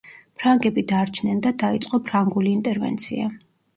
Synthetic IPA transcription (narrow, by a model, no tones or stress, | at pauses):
pʰɾaŋɡɛbid̪aɾt͡ʃʰnɛnd̪ad̪ait̪sʼqʼɔpʰɾaŋɡuliːnt̪ʼɛɾvɛ̰nt̪sʰḭa̰